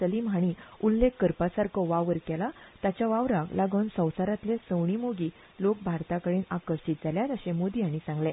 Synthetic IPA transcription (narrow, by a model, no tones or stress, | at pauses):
əlimaɽ̃iulːekːəɾpasaɾkʰəʋaʋəɾkɛlat̪at͡ɕjaʋaʋɾaklaɡəwnsə̃wsaɾat̪lesəwɳimoɡiː | lok̚bʱaɾt̪akəɽiːnakəɾɕit̪̚d͡zaljat̪əɕẽmod̪iːaɽ̃isãŋɡlẽ